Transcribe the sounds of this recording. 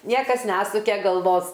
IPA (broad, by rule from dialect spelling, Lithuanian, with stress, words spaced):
ˈnʲiɛkɐs ˈnʲæːsʊkʲɛ ɡɐlˠˈʋoːs